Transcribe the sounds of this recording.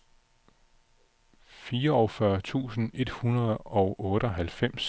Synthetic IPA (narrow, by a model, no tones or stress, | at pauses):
fiːɐɒ̽fɶɐt͡sʰṵːsn̩e̝d̥hunɐðˠɒ̽ʊʔɔ̽ːɾəɒɦælfem̰s